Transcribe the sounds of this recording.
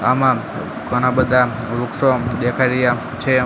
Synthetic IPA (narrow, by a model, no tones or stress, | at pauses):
amã | ɡʱənabəd̪ʱa | ɾukʃod̪ekʰaɾja | t͡ʃʰe